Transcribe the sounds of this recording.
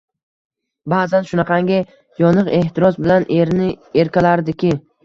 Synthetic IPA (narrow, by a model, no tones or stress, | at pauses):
baːzanʃʊnaqʰɑŋɡʲɪ | jɒnɨqe̞ht̪ʰɪɾɒzbɪlanʔe̞ɾnɪe̞ɾkʲalaɾd̪ɪkʲʰɪ